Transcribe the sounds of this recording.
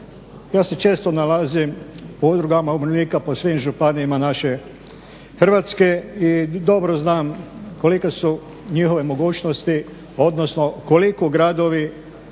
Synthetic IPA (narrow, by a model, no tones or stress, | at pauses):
jaːse̞t͡ʃe̞ːst̪o̞nalazimuud̪ɾuɡamaublikaposʋimʒupaniimanaʃe̞ | xr̩ʋaːt̪ske̞id̪o̞bɾoznaːmko̞likesu | ɲixo̞ʋe̞mo̞ɡuːt͡ʃnost̪i | o̞d̪nosno̞kolikoɡɾad̪o̞ʋi